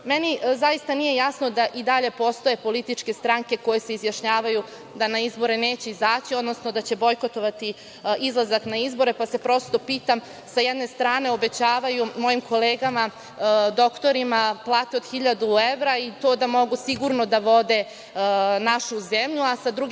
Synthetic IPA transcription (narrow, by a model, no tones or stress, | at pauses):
menizajist̪anije̞jasno̞d̪aʔid̪aʎe̞po̞st̪o̞je̞po̞lit̪it͡ʃke̞st̪ɾaŋke̞ko̞je̞seizjaʃɲaːʋaju | d̪anaizbo̞ɾeneːt͡ɕe̞izaːt͡ɕio̞d̪no̞sno̞d̪at͡ɕe̞bo̞jko̞t̪o̞ʋat̪i | izlˠazaknaizbo̞ɾe̞pase̞pɾo̞st̪o̞piːt̪am | sajed̪ne̞st̪ɾaːne̞o̞be̞t͡ɕaːʋajumo̞jimko̞leːɡama | d̪o̞kt̪o̞ɾimaplˠaːt̪eod̪̥xiʎad̪ueʋɾait̪o̞ːd̪amo̞ɡusiɡuɾno̞d̪aʋo̞d̪e̞ | naʃuzemʎuasad̪ɾuɡ